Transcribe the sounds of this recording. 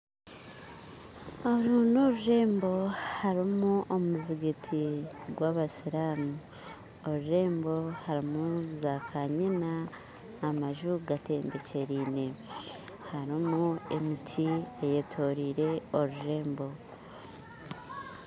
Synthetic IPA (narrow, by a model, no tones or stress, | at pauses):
oɾuːnoɾuɾe̞ːmbo̞haɾimuʔomuziɡetʰiɡwaβasiɾaːmu | oɾuɾe̞ːmbo̞haɾimuzakʰaɲinaː | maʒuɡate̞ːmbe̞ce̞ɾiːne̞ | haɾimue̞mitʰiejetʰo̞ɾiːɾe̞o̞ɾuɾe̞ːmbo̞